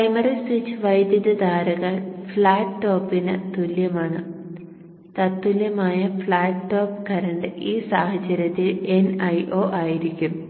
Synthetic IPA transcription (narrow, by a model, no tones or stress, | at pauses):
kɐjmɐrɐswit͡ɕːʋɐjd̪jɐðɐd̪aːɾɐɣɐɭfɭaːʈːo̞ːpːinɨt̪uljɐmaːɳɨ | t̪ɐt̪ːuljɐmaːjɐfɭaːʈːo̞ːpkɐɾɐɳɖɨʔiːsaːhɐt͡ɕːɐɾjɐt̪ːile̞nɐjʔoːʔaːjiɾikʲːum